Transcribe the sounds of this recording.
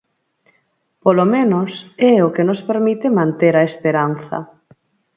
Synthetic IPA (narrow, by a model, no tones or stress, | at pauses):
polomẽnosɛokenospeɾmit̪emãnt̪eɾaespeɾan̟θɐ̰